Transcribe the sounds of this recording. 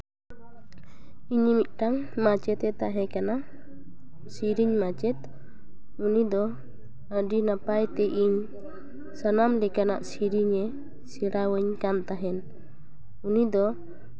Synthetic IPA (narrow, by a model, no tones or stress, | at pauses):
iɲimit̪̚ˀʈaŋmat͡ʃɛt̪ɛt̪aɦɛ̃kana | siɾiɲmat͡ʃɛt̪ | unid̪ɔ | əɖinapajt̪ɛʔiɲ | sanamlɛkana̰ʔsiɾiɲɛ | siɽawəɲkant̪aɦɛn | unid̪ɔ